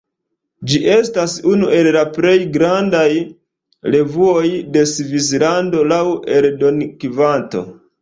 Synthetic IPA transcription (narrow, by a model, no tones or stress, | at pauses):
d͡ʒiʔe̞stasunuʔe̞llapɾe̞jɡɾandaj | ɾe̞vuo̞jde̞svis̬lando̞lawe̞ɾdo̞nikivanto̞̰